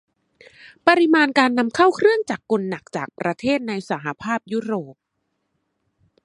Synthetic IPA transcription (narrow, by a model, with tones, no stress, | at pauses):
pa˧ɾi˧maː˧nkaː˧nːa˧mkʰa˥˩wkʰɾɯ˥˩əŋt͡ɕaː˨˩kːo˧nːa˨˩k̚t͡ɕa̰ː˨˩k̚pɾʔa˧t̪ʰeː˥˩t̪̚na˧jsa˩˦ɦa˧pʰaː˥˩p̚juː˥˩ɾoː˨˩p̚